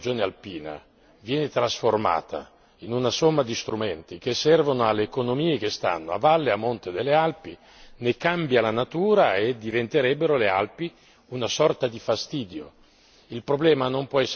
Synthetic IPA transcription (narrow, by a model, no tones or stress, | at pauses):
d͡ʒoːnealpiːna̰ | vjɛːnet̪ɾasforma̰ːt̪ʰa̰ | inunasomːad̪ist̪ɾumɛnt̪ikesːɛrvonoalːeːkonomiːekest̪a̰nːoa̰valːeamːont̪ed̪elːealpi | nekambjalanat̪uːɾaed̪ːivent̪eɾɛbːeɾolea̰lpi | unasɔrt̪ad̪ifast̪iːd̪jo | ilpɾoblɛːmanompwɔɛsː